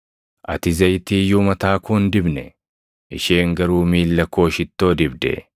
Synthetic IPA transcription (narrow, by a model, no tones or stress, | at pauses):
ʔɐ̰t̪ɪzɐjt̪iːjʊːmɐt̪aːkuːnd̪ɪbnɛ | ʔɪʃeːŋɡɐɾuːmiːlːɐko̞ːʃɪt̪ːo̞ːd̪ɪbd̪ɛ̰